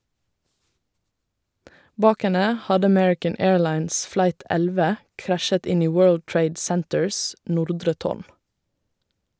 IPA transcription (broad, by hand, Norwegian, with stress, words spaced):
ˈbɑːk ˈɛnə ˈhɑdə əˈmɛɹɪkən ˈeːɹˌlɑɪns ˈflɑɪt ˈɛlʋə ˈkɾæʃət ˈɪn ˈiː ˈwɜːɭd ˈtɹeɪd ˈsɛntəɹs ˈnʊɾdɹə ˈtoːɳ